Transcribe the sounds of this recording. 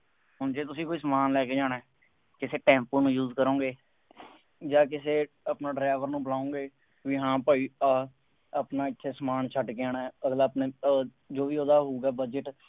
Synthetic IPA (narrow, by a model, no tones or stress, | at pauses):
ɦʊnd͡ʒeːt̪ʊsĩːkoːiːsəmaːnlɛːkeːd͡ʒaːnɛː | kɪseːʈɛ̃ːmpoːnũːjuːzkəɾõːɡeː | d͡ʒaːk̬ɪseː | əpnaːɖɾaːʋəɾnũːbəlaːõːɡeː | ʋiːɦãːpaːiːa | əpnaːɪt̪ʰːeːsəmaːnt͡ʃʰəʈkeaːnaəɡlaːpneː | d͡ʒoːʋiːoːd̪aːɦoːɡaːbəd͡ʒəʈ